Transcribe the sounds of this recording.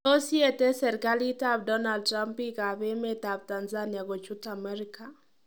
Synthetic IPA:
o˦sje˦tɛ˦sɛ˨ɾkalita˦bdɔ˦na˨ld̚tɾa˦mpika˨βɛ˦me˦tab̚tanzania˨ɡo˨t͡ʃu˦tamɛɾika

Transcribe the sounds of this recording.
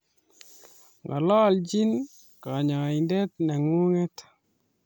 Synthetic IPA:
ŋɡɔ̰˨lɔ˦˨ld͡ʒi˦n | ka˨ɲɔ˨i˨ndɛ˦t̪̚nɛ˨ŋu˦ŋɛ˦t

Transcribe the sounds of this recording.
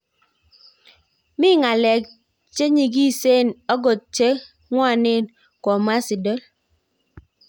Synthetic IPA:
mi˦ŋa˨lɛ˨k̚ | t͡ʃe˦ɲi˨ɡ̬i˦se˦˨nɔ˦ɡo˨t̚t͡ʃe˦ | ŋwa˦˨ne˦˨n | kwɔ˨m˦a˦si˨dɔ˦l

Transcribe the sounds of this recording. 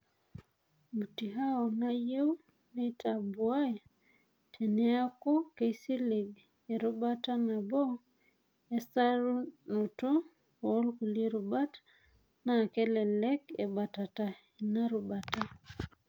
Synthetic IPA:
mu˨ti˨ɦa˦ɔ˨na˦je˦u˦ | netabwa˦e | tʰɛ˨nɛ˦a˦kɔ˦ke˨isi˦li˨ɡ | ɛ˨ɾu˦ba˦ta˦na˨bɔ˦ | ɛ˦sa˦ɾnu˨to˦ | ɔ˦lku˨li˦ɾu˨ba˦t | na˨kɛ˦lɛ˨lɛ˦kɛ˨ba˨ta˨ta˨ | ina˦ɾu˨ba˨ta

